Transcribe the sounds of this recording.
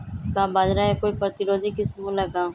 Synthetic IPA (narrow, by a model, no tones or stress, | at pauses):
kaːbaːd͡ʒɾaːɦekoːiːpɾət̪ɪɾoːd̪ʱikɪsmũːləɡaː